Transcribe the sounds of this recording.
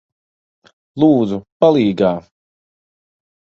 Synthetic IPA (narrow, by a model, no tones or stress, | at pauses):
lˠuːd̪zupalˠiːɡaː